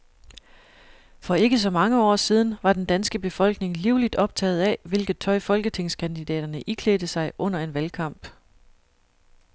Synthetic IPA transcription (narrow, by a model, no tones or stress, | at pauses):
fɒ̽e̝ɡ̥əs̬ɒ̽mɑ̈ŋəɒ̰ːsiːð̞ˠn̩ʋɑ̈d̥end̥ænsɡ̥əb̥e̝fɒ̽l̰ɡ̥ne̝ŋliʊlid̥ɒ̽b̥̚t͡sʰɛ̰ːð̞̩ˠæʋe̝lɡ̥ð̩ˠt͡sʰɒ̽ɪfɒ̽lɡ̥ət͡sʰe̝ŋ̰skʰænd̥id̥ɛ̰ːɾ̥ɐnəʔikʰleːd̥əsɑ̈ɪʔɔ̽n̰ɐe̝nʋælkʰɑ̈m̰b̥